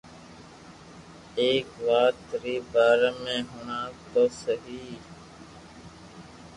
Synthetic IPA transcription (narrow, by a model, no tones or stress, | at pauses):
eːkʋaːt̪ɾiːbaːɾaːmẽːɦʊɳaːt̪oːsəɦiː